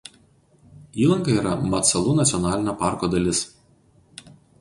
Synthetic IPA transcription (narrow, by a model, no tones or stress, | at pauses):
iːlˠɐŋkɐiːɾɐmɐt̪sɐlˠunɐt̪sʲɪɔnɑːlʲɪnʲɑpɑˑɾkoːd̪ɐlʲɪs